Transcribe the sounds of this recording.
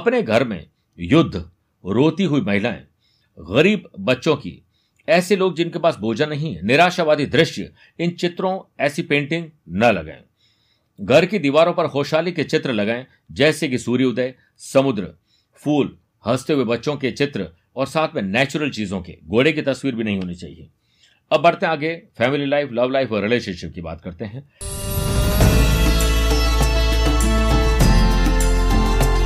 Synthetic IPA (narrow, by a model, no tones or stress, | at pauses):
ɐpneɡʱɐɾmḛ̃ | jʊd̪ʱː | ɾoːt̪iɦʊimɐɦɪlaḛ̃ː | ɣɐɾiːbːɐtːʃõkḭ | ɛːseloːɡ̚d͡ʒɪnkepaːsboːd͡ʒənɐɦĩnɪɾaːʃaːʋaːd̪id̪ɾɪʃjə̰ | ɪnt͡ʃɪt̪ɾõɛːsipẽːɳʈɪ̃ŋɡ̚nɐlɐ̰ɡ̰ḛ̃ː | ɡʱɐɾkid̪iːʋaːɾõpɐɾxoːʃaːliket͡ʃɪt̪ɾəlɐɡaːẽ | d͡ʒɛːseɡɪsuːɾiʊd̪əe | sɐmʊd̪ɾ | fuːl | hɐst̪eɦʊebɐtːʃõket͡ʃɪt̪ɾə | ɔːɾsaːt̪ʰmẽnɛːt͡ʃʊɾəlt͡ʃiːzõkḛɡoːɽek̬it̪ɐswiːɾbʱinɐɦĩɦoːnit͡ʃa̰ːɦḭḛː | ɐbːɐɽt̪ẽaːɡefɛːmɪlilaːɪflɐʋlaːɪfɔːɾɪleːʃə̃nʃɪp̚kiba̰ːt̪kɐɾt̪eɦɛ̃ː